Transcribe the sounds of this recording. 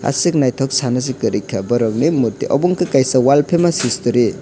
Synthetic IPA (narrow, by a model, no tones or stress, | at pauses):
a̰sik̚najtʰɔk̚sanɐsikɯɾikʰɐbɐɾɔŋnimuɾtiʔɔ̰buŋkʰɯkajsɐwalpʰemasistuɾi